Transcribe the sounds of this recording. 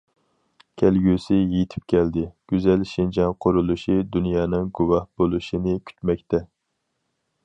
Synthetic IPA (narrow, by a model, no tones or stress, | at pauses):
kʲʰælɡʲysɪjet̪ʰɪ̥p̚kʲʰɛld̪ɪɡ̥ʲyzɛlʃind͡ʒɑŋqʰʊɾulˠuʃid̪unjɑːnɨŋɡuwɑhb̥olˠuʃɪnɪkʲʰy̥t̪mɛk̚ʲt̪ʰɛ